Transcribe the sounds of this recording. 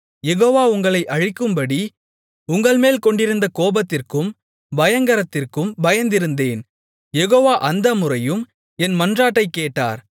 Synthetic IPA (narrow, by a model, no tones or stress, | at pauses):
jɛɣoːʋaːʊŋɡɐɭɐɪʔɐɻɪkːɯmbɐɽi | ʊŋɡɐɭmeːlkɔɳɖɪɾɯnd̪ɐkoːbɐt̪ːɪrkɯm | bɐjɐŋɡɐɾɐt̪ːɪrkɯmbɐjɐnd̪ɪɾɯnd̪eːn | jɛɣoːʋaːʔɐnd̪ɐmʊrɐjɯm | ɛnmɐndraːʈːɐɪkːeːʈːa̰ːɾ